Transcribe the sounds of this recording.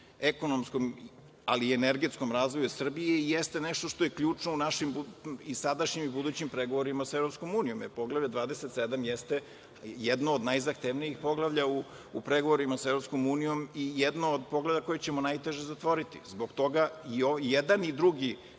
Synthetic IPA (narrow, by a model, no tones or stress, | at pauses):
ekonomsko̞m | aliːeneɾɡe̞t̪sko̞mɾaːzʋo̞jusr̩bijeijest̪e̞neʃt̪o̞ʃt̪o̞jekʎuːt͡ʂnounaʃimbuisad̪aʃɲimibud̪uːt͡ɕimpɾeɡoʋo̞ɾimasaevɾopsko̞muːnijo̞mjepo̞ɡlˠavʎad̪ʋaːd̪eset̪sed̪amjest̪e | jed̪noːd̪najzakt̪eʋnijixpo̞ɡlˠaʋʎauː | pɾeɡoʋoɾimasaevɾo̞psko̞muːnijo̞mijed̪nood̪po̞ɡlavʎako̞jet͡ɕemonajt̪e̞ʒezat̪ʋo̞ɾit̪ḭzbo̞ɡt̪o̞ɡaiojed̪anid̪ɾuɡi